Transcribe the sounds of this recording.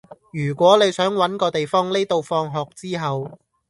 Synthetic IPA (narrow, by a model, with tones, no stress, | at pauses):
jyː˨˩kʷɔː˨˥ne˨˧jsœː˨˥ŋwɐ˨˥nkɔː˧t̪e˨jfɔː˥ŋne˥t̪o˨wfɔː˧ŋɦɔː˨k̚t͡siː˥ɦɐ˨w